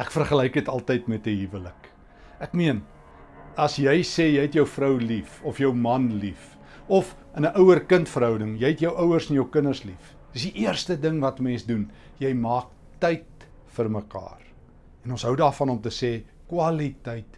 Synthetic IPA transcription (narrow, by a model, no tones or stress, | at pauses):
ʔækfərχəlɛjkdətɐlˠtəjtmɛtəɦivələk | ʔækmiən | ɐsjɛjsɛːjɛjɦɛtjəwfrəwlifɔfjəwmɐnlif | ɔf | ənəʔəwərkəntfəɾɦœwdəŋjɛjɦɛtjəwʔəwərsɛnjəwkənərslif | əsdiʔiərstədəŋvɐtmɛnsdun | jɛjmɑːk̚ | tɛjt | fərməkɑ̰ːr | ɛnɔ̃nsɦəwdɑːfɐnɔmtəsɛː | kwɐlitɛjt